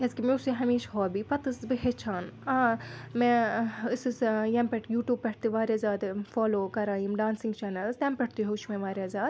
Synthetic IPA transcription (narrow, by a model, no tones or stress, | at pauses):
eskimẽusiɦɐmiːʃɦoːbipɐt̪ɨsbɨɦet͡ʃʰaːnãːmẽɨsɨsjɐmpɛʈʰjuːʈjuːb̚pɐʈ̚ʰt̪iʋaːɾʲazaːd̪foːloːkɐɾaːjimɖaːnsiŋɡt͡ʃɛːnɐlzt̪ɐ̃mpʲɛʈ̚ʰt̪iɦout͡ʃʰmẽʋaːɾʲjazaːd̪